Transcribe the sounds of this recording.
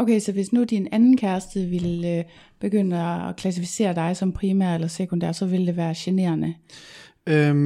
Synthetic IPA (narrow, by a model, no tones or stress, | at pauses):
okʰeɪsɒ̽ʋe̝snud̥inænn̩kʰæɐsd̥ð̩ˠʋe̝l | b̥e̝ɡ̥øn̰əɒːkʰlæs̬ifi̥se̝̰ːɐd̥ɑ̈ɪsɒ̽mpʰʁiːmæɐ̰elɐsekʰond̥æ̰ɐsɒ̽ʋe̝ld̥e̝ʋæːɐɕene̝̰ːɐnə | ø